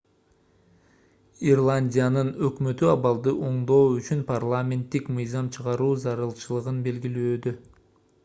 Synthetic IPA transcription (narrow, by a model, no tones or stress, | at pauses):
irlˠanʲdʲijanɯnø̞kmø̞t̪yɑβɑlˠd̪ɯʔo̞ɴd̪o̞ːyt͡ʃynpʰarlˠamʲe̞nt̪ːikmɯjzɑmt͡ʃʰɯʁɑɾuːzɑɾɯlˠt͡ʃɯlˠɯʁɯnbe̞lɡiløːd̪ø